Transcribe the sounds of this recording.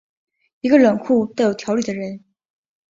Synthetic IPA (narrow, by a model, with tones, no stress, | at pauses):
i˧˥ɡə˧lə˨˩nkʰu˥˩t̪a˥˩ɪjo˨˩ʊt̪ʰjɑ˧˥ʊli˨˩ə˦ɻə˧˥n